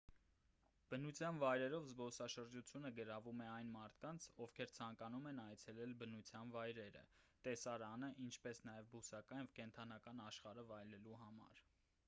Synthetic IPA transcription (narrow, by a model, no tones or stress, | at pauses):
b̥ənut͡sʰjɑnvɑjɾɛɾɔvzbɔsɑʃəɾd͡ʒut͡sʰjunəɡəɾɑvumɛɑjnmɑɾt̪ʰkɑnt͡sʰɔfkʰɛɾt͡sʰɑŋkɑnumɛnɑjt͡sʰɛlɛlbənut͡sʰjɑnvɑjɾɛɾə̰t̪ɛsɑɾɑnəʔint͡ʃʰpɛsnɑjɛvbusɑkɑjvkɛnt̪ʰɑnɑkɑnɑʃχɑɾəvɑjlɛluɦɑmɑ̰ɾ